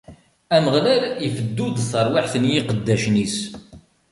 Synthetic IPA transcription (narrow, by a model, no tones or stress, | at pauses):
æməʁlælifəd̪ːud̪səɾˤwaħθənjiqəd̪ːæʃnis